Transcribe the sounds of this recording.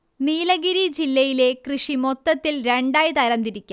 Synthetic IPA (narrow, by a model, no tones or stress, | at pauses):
niːlɐɡiɾid͡ʑilːɐjile̞krɨʂimot̪ːɐt̪ːilɾeɳɖaːjt̪ɐɾɐmd̪iɾikʲːa